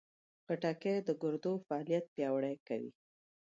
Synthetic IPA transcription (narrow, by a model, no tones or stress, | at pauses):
ɣaʈakejd̪əɡʊɾd̪ofaɑlijat̪̚pjɑwɽəjkawḭ